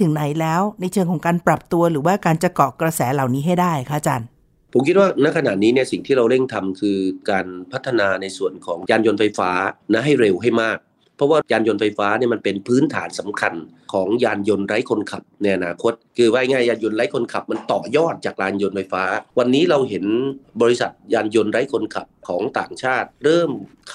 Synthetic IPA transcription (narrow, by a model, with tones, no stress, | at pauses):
t̪ʰɯ˨˩˦ŋna˨˩˦jlɛː˦˥wna˧jt͡ɕʰɯ˧ŋkʰɔː˩˦ŋkaː˧npɾa˨˩p̚t̪u˧ɐɾɯː˩˦waː˥˩kaː˧nt͡ɕa˨˧kɔː˨˩kɾa˧sɛː˩˦la˨˩wniː˦˥ɦa˥˩jdaː˥˩jkʰa˦˥t͡ɕaː˧n | pʰo˩˦mkʰi˦˥t̪̚waː˥˩na˦˥kʰa˧na̰˨˩tniː˦˥ni˥˩ɐsi˨˩ŋt̪ʰiː˥˩ɾa˧wɾe˥˩ŋt̪ʰa˧mkʰɯː˧kaː˧npʰa˦˥t̪ʰːa˧naː˧na˧jsu˨˩ənkʰɔː˩˦ŋjaː˧njo˧nfa˧jfaː˦˥na˦˥ɦa˥˩jɾe˧wɦa˥˩jmaː˥˩k̚ | pʰɔ˦˥waː˥˩jaː˧njo˧nfa˧jfaː˦˥ni˥˩ɐma˧npe˧npʰɯː˦˥nt̪ʰaː˩˦nsa˩˦mkʰa˧n | kʰɔː˩˦ŋjaː˧njo˧nɾa˦˥jkʰo˧nkʰa˨˩p̚na˧jʔa˧naː˧kʰo˦˥t̪̚kʰɯː˧waː˦˥˩jŋaː˥˩jaː˧njo˧nɾa˦˥jkʰo˧nkʰa˨˩p̚ma˧nt̪ɔː˨˩jɔː˥˩t̪̚t͡ɕaː˨˩k̚ɾaː˧njo˧nfa˧jfaː˦˥wa˧nːiː˦˥ɾa˧wɦe˩˦nbɔː˧ɾi˦˥sa˨˩t̪̚jaː˧njo˧nɾa˦˥jkʰo˧nkʰa˨˩p̚kʰɔː˩˦ŋt̪a̰ː˨˩ŋt͡ɕʰaː˥˩t̪̚ɾɤː˥˩m | kʰ